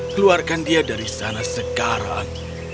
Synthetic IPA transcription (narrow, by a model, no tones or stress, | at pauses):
kəluarkandiadaɾisanasəkaɾa̰ŋ